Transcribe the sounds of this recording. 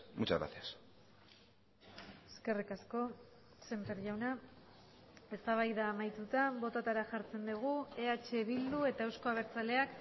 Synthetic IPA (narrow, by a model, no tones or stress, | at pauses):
mut͡ʃa̰ɣɾa̰θias | eske̞rikasko̞ | se̞mpeɾʝawna | e̞st̪aβ̞ajðaːmajt̪ut̪abo̞t̪at̪aɾaʝaɾt͡se̞nd̪uɣ̞ue̞at͡ʃe̞βild̪ue̞t̪aewsko̞aβ̞e̞ɾt͡sale̞ak